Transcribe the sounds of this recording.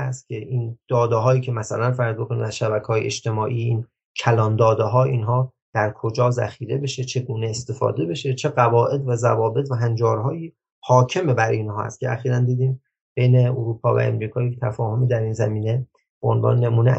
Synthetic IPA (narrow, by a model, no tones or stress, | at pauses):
æst̪̚cʲʰeʔiːnd̪̥ɒːd̪eɦɒːjiːcʰe̞mæsælænfæɾzd̪bokʰo̞nḭːmæzʃæbækʰehɒːjḛḛʃt̪e̞mɒːʔiːin | cʰælɒːnd̪ɒːd̪eɦɒːiːnɦɒː | d̪̥æɾkʰod͡ʒɒːzæ̰xiːɾe̞be̞ʃe̞t͡ʃʰe̞ɡuːneːst̪e̞fɒ̰ːd̪e̞be̞ʃet͡ʃʰe̞ɣævɒːʔe̞d̪væzævɒːbe̞t̪ʰvæɦænd͡ʒɒːɾɦɒːjiː | hɒːcʰe̞mebæɾinɦɒːhæ̰st̪̚cʰḛæxiːɾænd̪iːd̪iːm | b̥e̞jne̞oɾuːpʰɒːvæ̰ḛmɾiːkʰɒːject̪ʰæfɒːho̞miːd̪æɾiːnzæmiːne̞ | boonvɒ̰ːnnemuːne